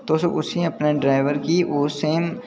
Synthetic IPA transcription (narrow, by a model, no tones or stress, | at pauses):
t̪oːsoʔʊsiɐpneɖɾaːɪʋəɾkioːseːm